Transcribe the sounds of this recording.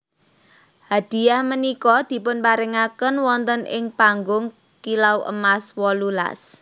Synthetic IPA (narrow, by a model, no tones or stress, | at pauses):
had̪̥i̤jahmənikɔd̪̥i̤pʊnpaɾɪŋakənwɔnt̪ənʔɪŋpaŋɡʊŋ | kilawʔə̰maswɔlula̰s